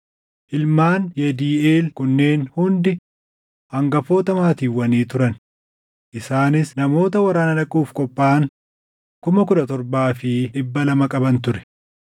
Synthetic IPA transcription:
ʔɪlmaːnjɛd̪iːeːlkʊnːe̞ːnhʊnd̪ɪ | hɐŋɡɐfo̞ːt̪ɐmaːt̪iːwːɐniːt̪ʊɾɐn | ʔɪsaːnɪsnɐmo̞ːt̪ɐwɐɾaːnɐᶑɐkʼuːfkʼɔpʼːaːn | kʊmɐkʊᶑ̪ɐt̪ɔɾbaːfɪᶑɪbːɐlɐmɐkʼɐbɐnt̪ʊɾɛ̥

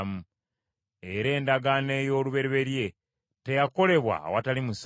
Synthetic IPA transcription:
mu | e̞ɾe̞ːndaɡaneːjo̞ːluβe̞ɾeβe̞ɾje̞ | te̞jako̞le̞βwa̰watalimus

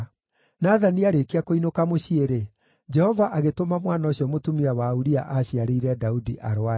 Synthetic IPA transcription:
naðaniaɾekeakoinokamoɕieɾe | d͡ʒɛhɔvaʔaɣetomamwanaoɕijɔmotumiawauɾia̰ʔaɕiaɾeiɾɛdaudiʔaɾoa

